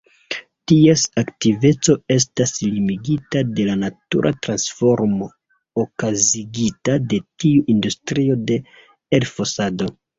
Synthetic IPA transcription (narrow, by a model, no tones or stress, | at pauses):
tiesaktive̞t͡so̞e̞s̬taslimiɡitade̞lanatṵɾʔa̰tɾansfo̞ɾmo̞ː | kaziɡitade̞tiuʔindustɾiode̞ | elfo̞sado̞